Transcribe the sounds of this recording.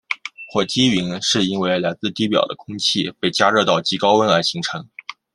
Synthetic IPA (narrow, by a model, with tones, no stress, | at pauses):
xʰwɔ˥˩t͡ɕi˥ɥi˧˥nʂɻ̩˥˩i˥nwe˥˩ɪla˧˥ɪt͡sɹ̩˥˧t̪i˥˩pjɑ̰˨˩ʊd̪ə̰˦kʰʊ˥ŋt͡ɕʰi˥˧pe˥˩ɪt͡ɕja˥ɻɤ˥˧t̪ɑ˥˩ʊt͡ɕi˧˥kɑ˥ʊwə˥nla˧˥ɪɕi˧˥ŋʈ͡ʂʰɤ˧˥ŋ